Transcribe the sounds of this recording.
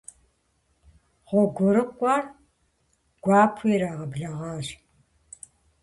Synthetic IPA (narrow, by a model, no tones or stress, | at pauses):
ʁʷɔɡʷɔɾɨkʷʼɑːr | ɡ̥ʷɑːpʰiːɾaːʁɐbɮɐʁɑːɕ